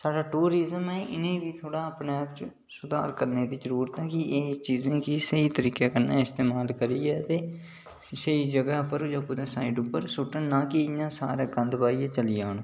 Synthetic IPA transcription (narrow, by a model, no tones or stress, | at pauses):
saːɖaːʈuːɾɪzəmɛːʔɪnẽːbiːt̪ʰoːɽaːəpnaaːpt͡ʃə | sʊd̪a̰ːɾkəɾneːd̪iːzəɾuːɾət̪ɦɛːkɪʔeːt͡ʃiːzẽːkisəiːt̪əɾiːkaːkənːaːɪst̪eːmaːlkəɾiːɛːt̪eː | səiːd͡ʒəɡaːpəɾd͡ʒãːpʊd̪ãːsaːɪːɖʊpːəɾsʊʈːənnãːkɪnãːsa̰ːɾaːɡənd̪baːiːãːt͡ʃəlɪjaːnː